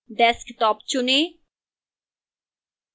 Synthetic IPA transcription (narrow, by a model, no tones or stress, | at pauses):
ɖɛskt̪ɔːpt͡ʃʊne